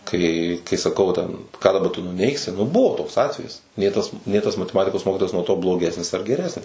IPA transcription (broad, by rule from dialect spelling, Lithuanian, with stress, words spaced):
kɐɪ kɐɪ sɐˈkɐʊ ʋɐ tʲɛn kɑː dɐˈbɐ tʊ nʊˈnʲɛɪksʲɪ nʊ ˈbʊʋoː ˈtoːks ˈɑːtʲʋʲɛjɪs ˈnʲeː tɐs ˈnʲeː tɐs mɐtʲɛˈmɑːtʲɪkoːs ˈmoːkʲɪtoːjɛs nuɔ ˈtoː blˠoːˈɡʲæːsʲnʲɪs ɐr ɡʲɛˈrʲæːsʲnʲɪs